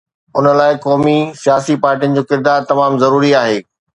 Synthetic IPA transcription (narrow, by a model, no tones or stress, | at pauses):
ʊnəlaːɪkɔːmisijaːsipaːɾʈijənɪ̆d͡ʑoːkɪɾd̪aːɾt̪ɐmaːmzɐɾuːɾiaːɦeː